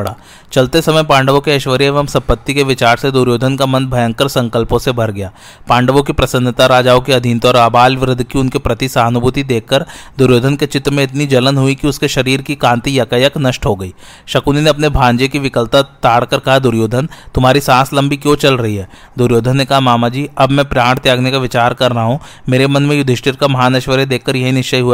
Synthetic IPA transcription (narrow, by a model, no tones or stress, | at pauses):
ɽa̰ː | t͡ʃɐlt̪esɐməjpãːɳɖəʋõkeɐʃʋəɾieːʋəmsɐ̃mpət̪ːikeʋɪt͡ʃaːɾsed̪ʊɾjoːd̪ʱənkamɐ̃nd̪̚bʱɐjə̃ŋkəɾsɐ̃ŋkəlpõsebʱɐɾɡɐjaː | pãːɳɖəʋõkipɾɐsə̃nd̪ʱt̪aɾaːd͡ʒaːokiɐd̪ʱint̪ɔːɾaːbaːlʋɾɪd̪ʱkiʊnkepɾɐt̪isaːɦnʊbʱʊt̪id̪eːkʰːəɾd̪ʊɾjoːd̪ʱənket͡ʃɪt̪ɾmẽɪt̪nid͡ʒɐlənɦʊikiʊskeʃɐɾiːɾkikãːnt̪ijɐkəjəknɐʃʈɦoɡɐiː | ʃɐkuːnineɐpnebʱãːɲd͡ʒekiʋɪkəlt̪at̪aːɽkɐɾkɐɦad̪ʊɾjoːd̪ʱənt̪ʊmɦaːɾisãːslɐ̃mbikjõt͡ʃɐlɾɐɦiɦɛː | d̪ʊɾjoːd̪ʱənːekɐɦamaːmad͡ʒiːɐbmɛ̃pɾaːɽt̪jaːɡnekaʋɪt͡ʃaːɾkɐɾːɐɦaɦũ | meːɾemɐnmẽjʊd̪ʱɪʃʈɪɾkamɐɦaːnɐʃʋəɾed̪eːkʰːɐɾjɐɦinɪʃt͡ʃɐjɦuaː